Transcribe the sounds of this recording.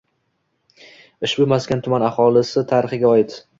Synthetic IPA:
ɪʃbʊmaskʲant̪ʰʊmanaχɒlˠɪsɪt̪ʰaɾɪχɪɡʲaɒjɪt̪

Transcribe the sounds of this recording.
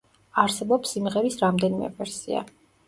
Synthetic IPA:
aɾsɛbɔpsimʁɛɾisɾamd̪ɛnimɛ̰vɛɾsḭa̰

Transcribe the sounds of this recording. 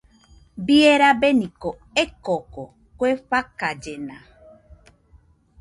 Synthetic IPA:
bieɾabenĩko | ekoko | kweɸakad͡ʒena

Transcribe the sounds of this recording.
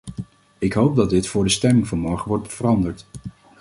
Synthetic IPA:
ɪkɦowp̚dɑdɪtfʊːɹdəstɛmɪŋvəɹmɔɹχəʋɔɹtvərɑndəɹt

